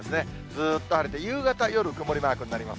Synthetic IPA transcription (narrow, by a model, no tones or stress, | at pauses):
sɨne̞ | d͡zzɨːt̪ːohaɾet̪e̞jɯːɡat̪ajo̞ɾɯ̟kɯ̟mo̞ɾʲimaːkɯ̟ɲ̟inaɾʲima̰s